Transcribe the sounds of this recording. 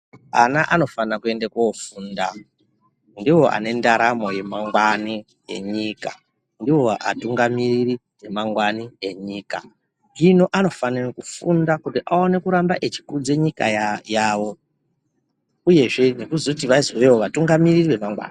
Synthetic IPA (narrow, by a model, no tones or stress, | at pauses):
anaʔano̞fanakue̞ndekofuːnda | ndiwo̞ʔa̰ne̞ndaɾamo̞je̞maŋɡwani | e̞̰ɲika | ndiwo̞ʔa̰tuŋɡamiriri | e̞maŋɡwanie̞ɲiːka | ino̞ʔano̞fanirikufundakutiʔao̞ne̞kuɾambaʔet͡ʃi̥kud͡ze̞ɲika̰jjaːʋo̞ | uje̞ʐe̞nekuzout̬iʋaiziwewoʋatuŋɡamiririwe̞maŋɡwa̰ːna